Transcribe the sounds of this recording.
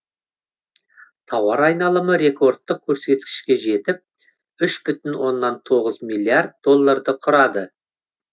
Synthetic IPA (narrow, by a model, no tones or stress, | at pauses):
t̪ʰɑwɑɾɑjnɑlˠəməɾe̞ko̞rt̪ːək̚kʲʰɵɾse̞t̪̚kʲɪ̥ʃkʲe̞ʒe̞t̪ɪp̚ | ʏʃbʏt̪ɪnwo̞nːɑnt̪ʰo̞ʁəzmijlʲˠːiard̪̚d̪o̞lˠːaɾd̪əqʰʊɾɑd̪ə